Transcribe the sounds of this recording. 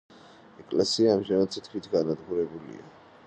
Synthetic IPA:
ɛkʼlɛsiaːmʒanad̪sʰit̪ʰwit̪ʰɡanad̪ɡuɾɛbulḭa̰

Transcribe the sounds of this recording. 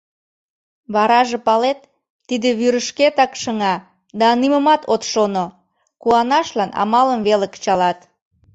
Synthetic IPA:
βɑɾɑʒepɑlet̪ː | id̪eβyɾəʃket̪ɑkʃəŋɑ | d̪ɑniməmɑt̪ot̪ʃono | kuɑnɑʃlɑnɑ̰mɑləmβelekə̥t͡ɕɑlɑt̪

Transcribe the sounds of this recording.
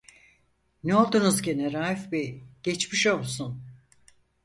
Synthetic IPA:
neo̞lˠd̪unuzɟeneɾaːifbiɟ̥et͡ʃmiʃo̞lˠsun

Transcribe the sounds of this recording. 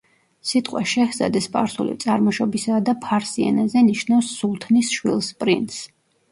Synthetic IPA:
sit̪ʼqʼwaʃɛhza̰d̪ɛspʼa̰ɾsṵlḭt̪sʼaɾmɔʃɔbisad̪apʰaɾsiɛ̰nazɛniʃnafsːulˠt̪ʰnisʃwḭlˠspʼɾḭnt̪s

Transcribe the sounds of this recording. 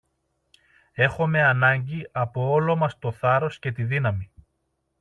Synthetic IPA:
e̞xome̞ɐnɐɲɟiɐpo̞olo̞mɐst̪o̞θɐɾo̞sce̞t̪iðinɐmi

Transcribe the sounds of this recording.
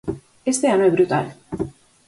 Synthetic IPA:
est̪eanoebɾut̪a̰l

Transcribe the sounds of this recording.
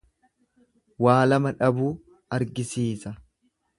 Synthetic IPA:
waːlɐmɐᶑɐbuː | ɐɾɡɪsiːsɐ

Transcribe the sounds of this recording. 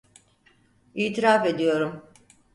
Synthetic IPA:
iːt̪ʰiɾafe̞d̪ijo̞ɾum

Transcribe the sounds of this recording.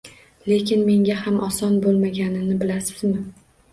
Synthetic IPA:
le̞kʲɪnme̞ŋɡʲahamʔɒsɒnbolˠmaɡʲanɪnɪbɪlasɪzmɪ

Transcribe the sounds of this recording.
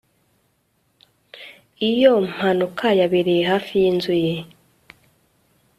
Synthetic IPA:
ijom̥hanukʰajaβiɾijeɦafijinzuje

